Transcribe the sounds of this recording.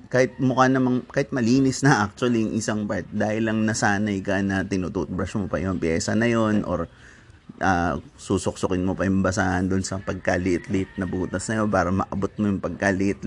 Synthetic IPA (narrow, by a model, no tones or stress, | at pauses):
kaːhɪt̪̚mʊkanɐmɐŋkaːhɪt̪̚mɐliːnɪsnɐʔak̚t͡ʃ̪ʊɐlijʊŋʔɪsaŋpɐɹt̪d̪aːhɪlɐŋnɐsaːnɐɪkanɐt̪ɪnuːt̪uʔt̪̚bɾɐsmopɐ̰jʊŋpɪjɛːsɐnɐjo̞nʔo̞̰ɾ | ʔaːsuːsʊk̚sʊkɪnmopɐjʊmbɐsaːʔɐnd̪ʊnsɐpɐɡ̚kalɪʔɪt̪lɪɪt̪̚nɐbuːt̪ɐsnɐjo̞paːɾɐmɐʔɐbot̪̚mojʊŋpɐɡ̚kalɪʔɪt̪